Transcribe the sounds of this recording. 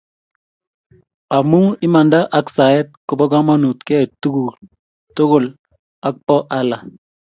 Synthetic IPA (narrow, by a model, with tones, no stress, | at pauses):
a˨mu˦i˦ma˨nda˦ʔa˨ksa˨ɛ˦t̚kʊ˨bɔ˦ɡa˦ma˦nu˨tkɛ˦˨tu˦ɡu˨ | to˦ɡʊ˨l | a˨k̚pɔ˦ʔa˦la˨